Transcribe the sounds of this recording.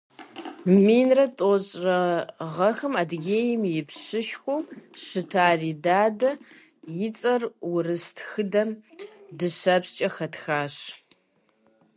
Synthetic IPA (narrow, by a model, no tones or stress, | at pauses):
miːnrɐtʼoɕʼrɐʁɐxɨmadɡʲeːjɪmjɪpɕɨʃxʷoɕɨtʰaːriːdaːdɐ | jɪt͡sʼɐrwʊrɨstʰxɨdɐmdɨɕɐpst͡ʃʼɐxɐtxaːɕ